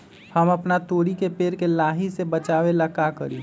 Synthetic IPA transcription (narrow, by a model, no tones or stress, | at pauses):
həmɐpnat̪oːɽikepeːɾkelaːɦisebət͡ʃaːʋelakakəɾiː